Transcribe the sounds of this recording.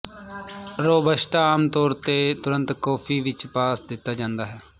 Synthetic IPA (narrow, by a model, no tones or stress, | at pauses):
ɾoːbəʃʈaaːmt̪ɔːɾt̪eːt̪ʊɾənt̪kɔːpʰiːʋɪt͡ʃpaːsd̪ɪt̪ːaːd͡ʒãːnd̪aːɦɛː